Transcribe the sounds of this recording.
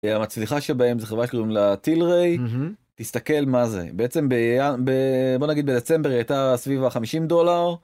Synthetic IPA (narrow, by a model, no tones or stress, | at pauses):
amat͡sliχaʃelbae̞mzeχevʁaʃklumlat̪ilʁej | t̪ist̪ake̞lmazḛbeet͡se̞mbejabebo̞naɡid̪bed̪e̞t͡se̞mbeʁajt̪asvivaχamiʃimd̪o̞laʁ